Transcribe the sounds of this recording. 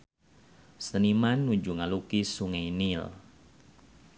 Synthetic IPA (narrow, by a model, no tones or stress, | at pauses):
sənimanːud͡ʒuŋalukisuŋajnil